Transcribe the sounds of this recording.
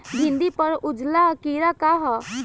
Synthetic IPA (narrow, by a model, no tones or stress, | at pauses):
ɡʱɪ̃nd̪ipəɾʊd͡ʒlakiːɾakaɦa